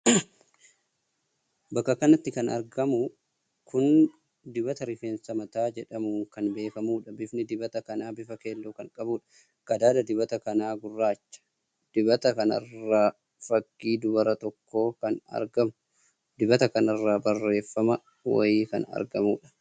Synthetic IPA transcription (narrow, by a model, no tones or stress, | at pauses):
bɐkːɐkɐnɐt̪ːɪkɐnɐ̰ɾɡɐmʊ | kʊn | d̪ɪbɐt̪ɐɾɪfeːnsɐmɐt̪aːd͡ʒɛᶑɐmuŋkɐnbe̞ːkɐmuːᶑɐbɪfnɪd̪ɪbɐt̪ɐkɐnaːbɪfɐke̞ːlːoːkɐŋkʼɐbuːᶑɐ̥ | ɡ̥ɐd̪aːd̪ɐd̪ɪbɐt̪ɐkɐnaːɡʊrːaːt͡ʃːɐ̥ | d̪̥ɪbɐt̪ɐkɐnɐ̰rːaː | fɐɡːiːd̪ʊbɐɾɐt̪ɔkːo̞ːkɐnɐ̰ɾɡɐmʊ | d̪̥ɪbɐt̪ɐkɐnɐrːaːbɐrːe̞ːfːɐmɐ | wɐ̰jiːkɐ̰nɐ̰ɾɡɐmuːᶑɐ̥